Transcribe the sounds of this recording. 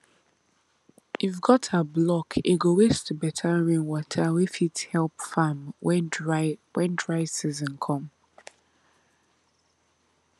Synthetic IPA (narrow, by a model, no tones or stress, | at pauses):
ivɡɔtʰablɔkʰiɡowestʰubɛtʰaɹĩnwɔtʰawifithɛlˠpfam | wɛ̃ndɹaɪ̥sizə̃nkʰɔ̃m